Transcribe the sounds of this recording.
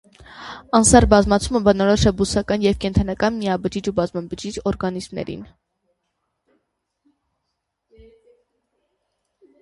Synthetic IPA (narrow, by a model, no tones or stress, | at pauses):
ɑnsɑrbɑzmɑt͡sʰuməbənɔɾɔʃɛbusɑkɑnjɛvkɛnt̪ʰɑnɑkɑnmijɑbəd͡ʒid͡ʒubɑzmɑbəd͡ʒid͡ʒɔɾɡɑnizmnɛ̰ɾḭn